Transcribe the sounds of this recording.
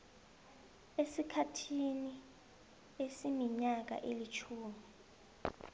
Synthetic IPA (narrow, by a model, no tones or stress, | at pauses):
esikʰatʰini | esimiɲak̬a̰ʔelit͡ʃʰuːmi